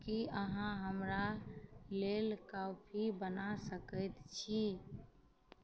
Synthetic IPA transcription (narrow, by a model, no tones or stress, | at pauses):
kiəɦãɦəmɾalelkapʰibənasəkəɪt̪t͡ʃʰi